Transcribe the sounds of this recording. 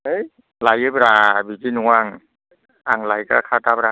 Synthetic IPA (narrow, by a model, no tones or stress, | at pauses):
ej | lajɯbɾabid͡ʒinuŋaŋ | aŋlajka̰kʰat̪apɾa